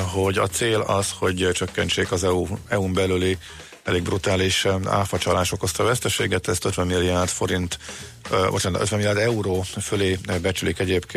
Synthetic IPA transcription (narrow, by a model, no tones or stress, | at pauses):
ɦo̞ɟɒ̰t̪seːlɒsho̞ɟt͡ʃøkːɛnt͡ʃeːkɒzɛuɛumbɛlyli | ɛleːɡ̚brut̪aːliʃa̰ːfɒt͡ʃɒlaːʃo̞ko̞st̪ɒvɛst̪ɛʃeːɡɛt̪ɛst̪øt̪ʋɛmːilːijaːrd̪fo̞ɾint̪ | o̰t͡ʃɛn̰øt̪vɛmilijaːrd̪ɛuɾoːføleːbɛt͡ʃylikɛɟeːpkeː